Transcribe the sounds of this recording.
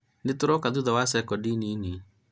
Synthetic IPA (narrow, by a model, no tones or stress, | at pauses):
netoɾɔkaðuðawasɛkɔdinini